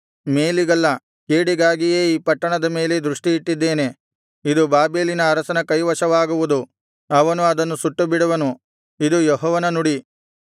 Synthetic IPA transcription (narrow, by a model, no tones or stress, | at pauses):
me̞ːliɡɐlːɐ | keːɽiɡaːɡije̞ːiːpɐʈːɐɳɐd̪ɐme̞ːle̞d̪ɾuʂʈiiʈːid̪ːe̞ːne̞ | id̪ubaːbeːlinɐːɾɐsɐnɐkɐjʋɐʂɐʋaːɡuʋud̪u | ɐʋɐnuɐd̪ɐnːusuʈːubiɽɐʋɐnu | id̪ujɔɦɔːʋɐnɐnuɽi